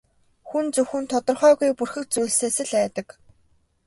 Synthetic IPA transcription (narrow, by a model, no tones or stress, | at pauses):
xunt͡sɵwxɘ̆nt̪ʰɔt̪ɞ̆rχœːɣujpurxɘ̆k̚t͡sujɮseːsɘ̆ɮæːt̪ə̆k